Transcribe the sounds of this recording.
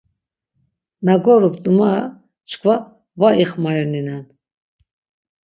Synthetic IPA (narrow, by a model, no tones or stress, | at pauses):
maɡɔɾupd̪uma | t͡ʃʰkʰva | vaʔiχmaninɛn